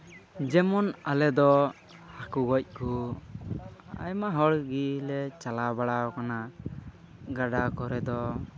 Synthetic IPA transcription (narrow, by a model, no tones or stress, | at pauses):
d͡ʒɛmɔnalɛd̪ɔ | hakuɡɔc̚ˀku | a̰jmaɦɔɽɡilɛt͡ʃalabaɽakana | ɡaɖakɔɾɛd̪ɔ